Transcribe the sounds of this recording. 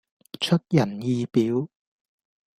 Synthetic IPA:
t͡ʃʰɵ˥t̚jɐ˨˩njiː˨˧piː˨˥w

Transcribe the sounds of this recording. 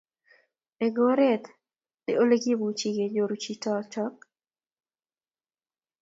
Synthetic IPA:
e˨ɡo˦ɾɛ˦t̪ | dɪ̰˨ʔo˦le˦ɡi˦bu˨t͡ʃi˨ɡe˨d͡ʒo˨ɾu˦t͡ʃi˦tɔ˦t͡ʃɔ˦k̚

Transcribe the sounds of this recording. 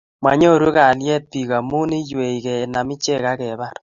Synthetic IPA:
ma˨ɲɔ˦˨ɾwo˦ka˨ljɛ˦t̚pi˨ka˨mu˦ni˦jwe˨i˨kɛ˨na˨mɪ˦t͡ʃɛ˦ka˦kɛ˨ba˦˨ɾ

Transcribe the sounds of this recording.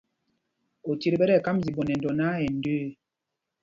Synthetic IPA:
o˨ti˦ɾbɛ˦ɾɛ˦˨ka˦mzi˨bɔ˨nɛ˨n˨dɔ˨na˦ɛ˨n˦døː˦

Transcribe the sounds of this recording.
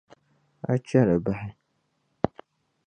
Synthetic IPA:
a˦t͡ʃa˦ɾa˨ba˦hɪ˦

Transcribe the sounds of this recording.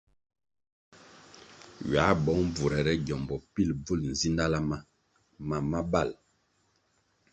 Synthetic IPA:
ɥa˨˦bɔ˨˦ŋ˦b͡vu˨ɾɛ˨ɾɛ˦ɟɔ˨mbɔ˨pi˦˨lb͡vu˦ln̩˨zi˦nda˦la˦ma˦ | ma˨ma˦ba˦˨l

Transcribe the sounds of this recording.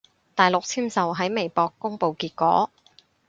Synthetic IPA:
t̪aː˨˩jlʊ˨k̚t͡sʰiː˥msɐ˨wɦɐ˨˥jme˨˩jpɔː˧kːʊ˥ŋpo˨wkiː˧t̚kɔː˨˥

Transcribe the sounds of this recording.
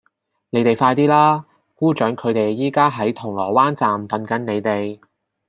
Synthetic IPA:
ne˨˧˥jt̪e˨jfaː˧jt̪iː˥laː˥ | kuː˥t͡ʃœː˨˥ŋkʰɵ˨˧ɥt̪e˨jːiː˥kaː˥ɦɐ˨˥jt̪ʰʊ˨˩ŋlɔː˨˩waː˥nt͡saː˨mt̪ɐ˨˧nkɐ˨˥nne˨˧jt̪e˨j

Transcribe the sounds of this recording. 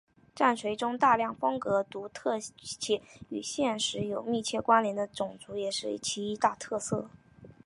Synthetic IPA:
ʈ͡ʂa˥˩nʂwe˧˥ɪʈ͡ʂʊ˥ŋt̪a˥˧ljɑ˥˩ŋfɤ˥ŋkɤ˧˥t̪u˧˥t̪ʰɤ˥˧t͡ɕʰjɛ˥˩y̰˨˩ɕjɛ˥˩nʂɻ̩˧˥jo˨˩ʊmi˥˧t͡ɕʰjɛ˥˩kwa˥nljɛ˧˥nd̪ə˧t͡sʊ˨˩ŋt͡su˧˥jɛ˨˩ʂɻ̩˥˩ḭ˥˩t͡ɕʰi˧˥i˧˥t̪a˥˧t̪ʰɤ˥˧sɤ˥˩

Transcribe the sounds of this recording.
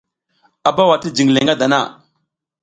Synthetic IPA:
a˨ba˦wa˨ti˦d͡ʒi˨ŋ˨le˨ŋɡa˦da˨na̰˦˨

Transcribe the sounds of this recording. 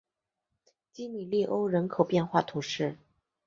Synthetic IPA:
t͡ɕi˥ni˨˩li˥˩ʔo˥ʊɻə˧˥nkʰo˨˩ʊpjɛ˥˧nxwa˥˩t̪ʰu˧˥ʂɻ̩˥˩

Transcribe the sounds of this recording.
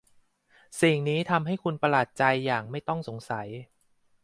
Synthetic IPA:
si˨˩ŋniː˦˥t̪ʰa˧mɦa˥˩jkʰu˧npa˧laː˨˩t̪̚t͡ɕa˧jːaː˨˩ŋ̚ma˥˩jt̪ɔ˥˩ŋso˩˦ŋsa˩˦j

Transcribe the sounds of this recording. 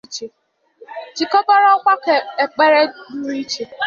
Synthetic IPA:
t͡ʃe˨ | d͡ʒi˨kɔ˦bɔ˦ɾɔ˦kʷa˦ke˨e˨k͡pe˦ɾe˦du˦ɾi˦t͡ʃe˨

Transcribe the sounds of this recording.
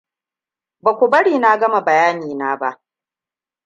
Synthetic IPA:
ba˨kʷu˨bɐ˦ɽiː˨naː˦ɡɐ˦ma˨bɐ˨jaː˦niː˨naː˦ba˦ʔ

